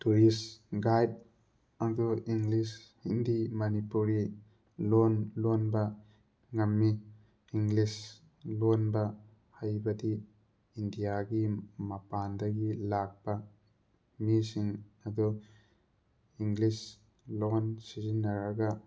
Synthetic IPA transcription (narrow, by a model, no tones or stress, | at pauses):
tuɾisɡajd̚ | ad̪ɔiŋɡlishindimɐnipuɾi | lonlonbɐ | ŋɐmːiː | ŋɡlis | lonbɐ | hɐjbɐdi | indijaɡimɐpandɐɡilak̚bɐ | misiŋɐd̪ɔ | iŋɡlis | lonsizinːɐɾɐɡɐ